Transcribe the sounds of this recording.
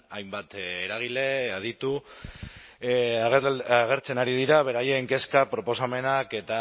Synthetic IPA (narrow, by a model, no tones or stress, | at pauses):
ajmbat̪ːɾaɣ̞ile̞að̞it̪u | aɣ̞e̞ɾt͡se̞naɾiðiɾaβ̞e̞ɾaje̞ŋke̞skapɾo̞po̞same̞nake̞t̪a